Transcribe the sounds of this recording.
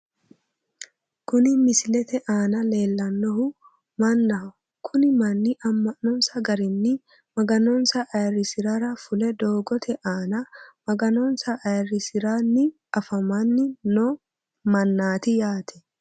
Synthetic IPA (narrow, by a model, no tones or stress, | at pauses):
kʊnɪmɪslɛt̪ɛʔaːnɐle̞ːlːɐnːɔɦʊ | mɐnːɐ | kʰʊnɪmɐnːɪʔɐmːɐnːɔnsɐɡɐɾɪnːɪ | mɐɡɐnɔnsɐʔːjɐrːɪsɪɾaɾɐfʊlɛd̪o̞ːɡɔt̪ʰɛʔaːnɐmɐɡɐnɔnsɐʔːjɐrːɪsɪɾaːnːɪ | ɐfɐmanːɪnɔ | mɐnːaːt̪ɪjaːt̪ʰɛ̥